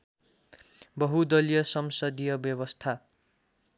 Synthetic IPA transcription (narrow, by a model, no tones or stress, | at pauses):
bʌɦud̪ʌlijʌsʌmsʌd̪ijʌbjʌβʌst̪ʰa